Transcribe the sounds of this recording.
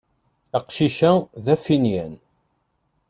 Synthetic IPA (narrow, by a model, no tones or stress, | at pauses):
æqʃiʃæðæfinjæ̰n